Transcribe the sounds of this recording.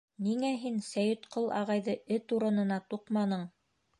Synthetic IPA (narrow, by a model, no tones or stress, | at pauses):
niŋæɦinsæjɵ̆t̪qɤlˠʔɑ̰ʁɑjðɤɘt̪uɾɤ̆nɤ̆nɑt̪uqmɑnɤɴ